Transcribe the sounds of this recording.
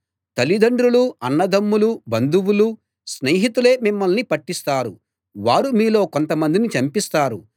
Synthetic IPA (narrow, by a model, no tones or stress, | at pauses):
t̪ɐlid̪ɐɳɖɾuluɐnːɐd̪ɐmːulubɐnd̪uwulu | sneːɦit̪ule̞ːmimːɐlnipɐʈːist̪aːɾu | ʋaːɾumiːlo̞ːko̞nt̪ɐmɐnd̪init͡ʃɐmpist̪aːɾu